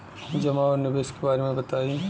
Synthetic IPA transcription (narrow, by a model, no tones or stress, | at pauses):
d͡ʒɐmaɔɾnɪbeːskebaːɾemẽbɐt̪aːi